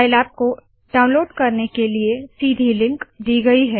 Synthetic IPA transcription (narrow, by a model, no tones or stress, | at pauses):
aɪlaːt̪̚ko | ɖaːʊ̃nloːɖkɐɾnekeliesiːd̪ʱilɪ̃ŋkd̪iːɡɐiɦɛː